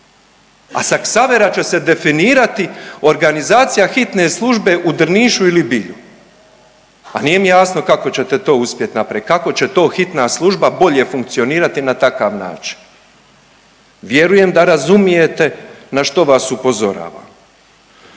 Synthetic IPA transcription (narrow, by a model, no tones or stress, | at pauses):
a̰saksaʋe̞ɾat͡ɕe̞se̞d̪e̞finiːɾat̪io̞ɾɡanizaːt̪sijaxit̪ne̞slˠuʒbe̞ʔud̪r̩niːʃuilibiʎu | aniːje̞mijaːsno̞kako̞t͡ɕe̞t̪e̞t̪o̞ːuspʲje̞t̪napɾikako̞t͡ɕe̞t̪o̞ːxit̪naslˠuʒbabo̞ʎe̞fuŋk̚t̪sio̞niːɾat̪inat̪akaːʋna̰ːt͡ʃi̥n | ʋje̞ɾuje̞md̪aɾazumije̞t̪e̞naʃt̪o̞ʋasupo̞zo̞ɾa̰ːʋa̰ːm